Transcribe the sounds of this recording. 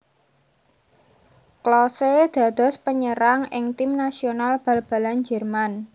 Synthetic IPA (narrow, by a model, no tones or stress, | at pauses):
klɔsed̪̥a̤d̪̥ɔ̤spəɲəɾaŋɪŋt̪imnasionalb̥ä̤lb̥a̤land͡ʒɛrman